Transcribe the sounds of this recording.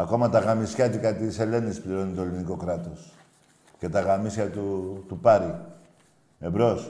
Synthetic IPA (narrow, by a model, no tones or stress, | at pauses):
ɐko̞mɐt̪ɐɣɐmisçɐt̪ikɐt̪ise̞le̞nispliɾo̞nit̪o̞eliniko̞kɾɐt̪o̞s | ce̞t̪ɐɣɐmisçɐt̪ut̪upɐɾi | ebɾo̞s